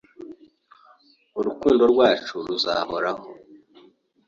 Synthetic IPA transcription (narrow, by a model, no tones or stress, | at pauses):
uɾukuːndoɾɡwaːt͡ʃuɾuzaːhoɾaho